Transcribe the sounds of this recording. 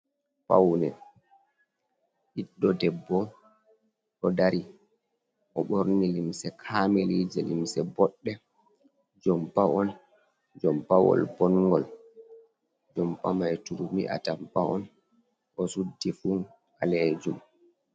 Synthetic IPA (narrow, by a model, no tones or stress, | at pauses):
pa̰wnɛ | ʔiɗːɔdɛbːɔ | ʔɔdaɾi | ʔɔɓoɾnilimsɛkʰaːmɛliːd͡ʒɛlḭmsɛbɔɗːɛ | d͡ʒɔmpaʔɔn | d͡ʒɔmpawɔ̰lbɔnɡɔl | d͡ʒɔmpamajtuɾumḭʔa̰tampaɔn | ʔɔsudːifun | a̰led͡ʒum